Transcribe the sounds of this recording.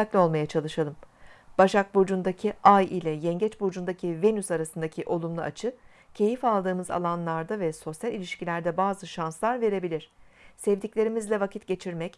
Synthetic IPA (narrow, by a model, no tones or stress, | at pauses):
aclʲo̞lˠmajat͡ʃʰalˠɯʃalˠɯmb̥aʃak̚bud͡ʒund̪acʰiajilʲɛjɛɲɟɛt͡ʃbud͡ʒund̪acʰive̞nysaɾasɯnd̪acʰiʔo̞lˠumlˠaʔat͡ʃʰɯ | cʰe̞jifalˠd̪ɯːmɯza̰lˠanlˠaɾd̪avɛso̞sjalʲilʲiʃcilʲæɾd̪ɛbaːzɯʃanslˠaɾve̞ɾe̞bilʲiɾ̝̥sɛvd̪iclʲe̞ɾimizlʲɛvakʰit̪ɟe̞t͡ʃʰiɾmɛc